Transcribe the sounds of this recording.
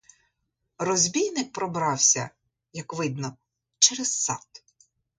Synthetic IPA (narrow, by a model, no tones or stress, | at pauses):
rɔzʲbʲijnɪk̚pɾɔbɾɑwsʲɐ̰ | jɐkʋɪd̪nɔ | t͡ʃɛɾɛz̥sɑ̰t̪